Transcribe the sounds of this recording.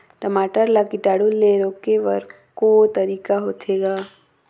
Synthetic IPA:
ʈəmaːʈəɾlakɪʈaːɽuleːɾõkeʋɐ̰ɾ | kot̪ɐɾiːkaɦoːt̪ʰeːɡaː

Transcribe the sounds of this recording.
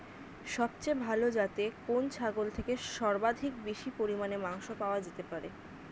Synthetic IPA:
ʃɔb̚t͡ɕebʱalod͡ʑat̪ekont͡ɕʰaɡolt̪ʰekeʃɔɾbad̪ʱik̚beʃipoɾimanemaŋʃopaoad͡ʑet̪epaɾe

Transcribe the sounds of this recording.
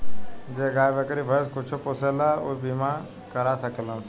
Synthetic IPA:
d͡ʒeɡaːjbəkɾibʱəskʊt͡ʃʰoposelaobima | kəɾasəkeləns

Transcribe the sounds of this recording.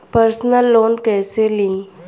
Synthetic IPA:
pəɾsnəlːoːnkɛːselĩ

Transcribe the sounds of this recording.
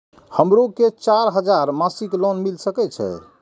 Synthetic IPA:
həmɾoket͡ʃaɾɦəd͡ʒaɾmasiklonmilsəkɛt͡ʃʰɛ̰

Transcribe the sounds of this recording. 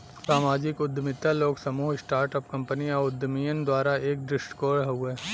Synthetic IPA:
saːmaːd͡ʒɪkʊd̪ʱːmɪt̪ːaloːɡsɐmuːɦɪsʈaːɾʈəpkɐ̃mpəniɔːʊd̪ʱːmijənd̪waːɾaeːk̚ɖɾɪsʈkoːɽɦɐuɛː

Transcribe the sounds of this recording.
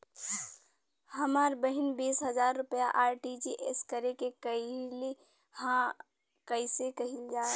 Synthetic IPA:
hɐmaːɾbəɦɪnbiːsɦəzaːɾːʊpjaʔaːɾʈid͡ʒiʔeskəɾekekəili | hã | kəisekɐɦild͡ʒaːe

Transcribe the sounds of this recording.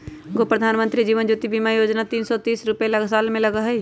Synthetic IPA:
ɡopɾəd̪ʱaːnmə̃nt̪ɾid͡ʒiːʋənd͡ʒuːt̪ibiːmajoːd͡ʒnat̪iːnsɔt̪iːsɾʊpelɐɡʱsaːlmẽlɐɡaɦɛi

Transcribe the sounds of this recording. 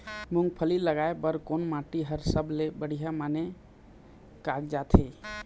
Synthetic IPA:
muŋɡpʰəliləɡaepəɾkonmãʈiɦəɾsəblebəɽ̤ijamane | kaɡd͡ʒat̪ʰe

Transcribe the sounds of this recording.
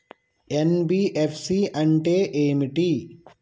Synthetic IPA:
enbiːʔefʰsiɐ̃ɳʈeːʔemiʈi

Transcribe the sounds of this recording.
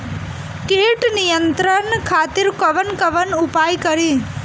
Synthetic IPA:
keʈnijənt̪ɾənkʰat̪iɾkəʋənkəʋənupajkəɾi

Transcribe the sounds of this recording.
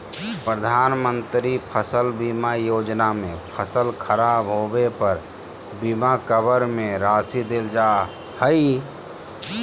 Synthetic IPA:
pɾəd̪ʱaːnmə̃nt̪ɾipʰəsəlbimajoːd͡ʒnamẽpʰəsəlkʰəɾaːbɦoːbepəɾ | bimakəbəɾmẽɾaːsid̪eld͡ʒaː | həi

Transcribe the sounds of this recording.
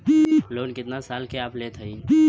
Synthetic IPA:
loːnkɪt̪nasaːlkeaːpleːt̪ʰəi

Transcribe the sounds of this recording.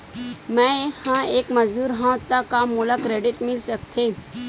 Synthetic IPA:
mɛ̃hãeːkmɐzd̪uːɾɦãːt̪ːakamulakɾeːɖɪʈmɪlsɐk̚t̪ʰeː

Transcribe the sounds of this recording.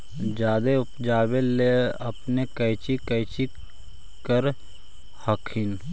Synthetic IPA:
d͡ʒaːd̪eʊpd͡ʒaːbeleɐpnekəɪt͡ʃikəɪt͡ʃi | kəɾ | həkʰin

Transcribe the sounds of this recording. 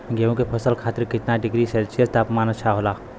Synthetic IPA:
ɡeũkepʰəsəlkʰaːt̪iɾkɪt̪naɖɪɡɾiselt͡ʃest̪apmaːnət̪t͡ʃʰaɦola

